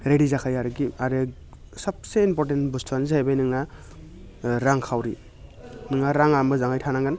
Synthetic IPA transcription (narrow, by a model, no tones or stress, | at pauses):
ɾedizakʰajaɾɡiaɾe | sap̚seinpɔɾtentbustʰwanzaajbajnɯŋna | ɾaŋkʰawɾi | nɯŋnaɾaŋamɯzaŋajtʰanaŋɡan